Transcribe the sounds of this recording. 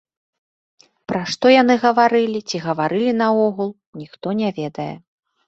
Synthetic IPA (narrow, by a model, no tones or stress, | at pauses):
pɾaʂt̪ɔjan̪ɨɣɐvaɾɨlʲit͡sʲiɣɐvaɾɨlʲin̪ɐɔɣulˠ | nʲixt̪ɔnʲavʲɛd̪ɐjɛ̰